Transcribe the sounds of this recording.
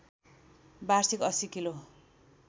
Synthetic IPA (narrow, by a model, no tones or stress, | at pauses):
barsikʌsikilo